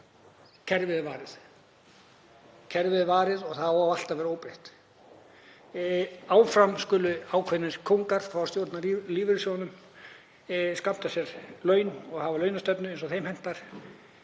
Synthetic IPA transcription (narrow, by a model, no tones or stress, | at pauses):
cʰɛɾvɪðɪvaːɾɪθ | cʰɛɾvɪðvaːɾɪðɔɣθaðɔaal̥t̪avɛːɾoːwpɾejht̪ | aːwfɾamskʏːlʏaːwkʰvɛnːɪnskʰowŋkaɾ̥fɾawst̪joːwɾt̪naliːvɪɾsjownʏm | skapt̪asjɛɾlœːɥnɔɣhavalœːɥnast̪œpnʏens̬ɔθejmhɛn̥t̪aɾ̥